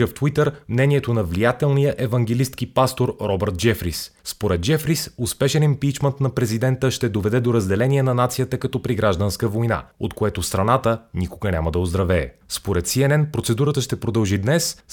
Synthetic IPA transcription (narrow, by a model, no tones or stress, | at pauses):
əft̪wit̪əɾmnɛnʲiɛt̪onɐvlijat̪ɛlˠnijəʔɛvɐŋɡʲɛlist̪kipast̪oɾɾɔbəɾt̪̚d͡ʒɛfɾisːpoɾɛt̪̚d͡ʒɛfɾisʊspɛʃɛnimpit͡ʃmənt̪nɐpɾɛzid̪ɛnt̪əʃt̪ɛd̪ovɛd̪ɛd̪oɾəzd̪ɛlɛniɛnɐnat̪sijət̪əkɐt̪ɔpɾiɡɾaʒd̪ənskəvojna̰o̰t̪koɛt̪ost̪ɾɐnat̪ənikoɡənʲa̰məd̪ɐozd̪ɾɐvɛ̰ːspoɾɛt̪siɛnɛnpɾot̪sɛd̪uɾət̪əʃt̪ɛpɾod̪ɐlˠʒid̪nɛs